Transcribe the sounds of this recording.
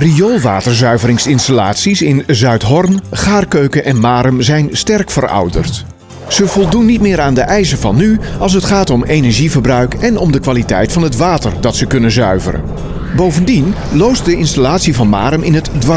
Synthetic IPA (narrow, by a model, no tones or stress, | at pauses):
riolˠʋa̰ːtəɹzœɥvəɾɪŋsɪnstala̰ːtsisɪnzœɥtɦɔrnχaːrkøɥkənʔɛnmaːɾəmzɛjnstɛrkfərɑ̰wdə̰rt | z̥əvɔlˠdunːitmɪːɾaːndəʔɛjsəvɑnːyɑlˠs̬ətχaːtɔmejnɛɹʒivərbrœɥkɛnɔmdəkʋaːlitɛ̰jtfɑnətʋaːtərdɑtsəkɵnənzœ̰ɥvə̰ɾə̰n | bowvəndin | lowst̚dəɪnstalaːtsivɑnma̰ːɾəmɪnɦətdʋɑ